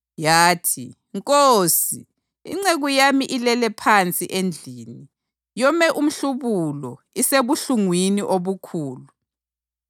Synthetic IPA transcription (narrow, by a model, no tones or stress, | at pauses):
jaːtʰḭ | ŋkʼosi | ḭŋ͡ǀeɣujamiʔilɛlɛpʰant͡sʼiʔend͡ɮʱiːni | jɔmɛʔum̩ɬuβulɔ | iseβuɬuŋwiniʔoβukʰuːlu